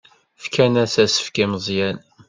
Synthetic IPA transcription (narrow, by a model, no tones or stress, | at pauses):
fkʰænæsæsə̥fkiməzˤjæn